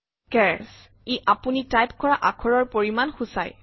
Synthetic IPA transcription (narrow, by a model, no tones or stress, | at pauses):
kɛɹs | eʔapunitajp̚kɔɹaʔakʰɔɹɔɹpoɹimanxusa̰j